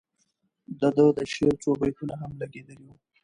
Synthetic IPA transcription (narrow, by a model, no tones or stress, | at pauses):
d̪əd̪əd̪əʃeɾt͡ʃobajkunaɦamlaɡed̪əliwu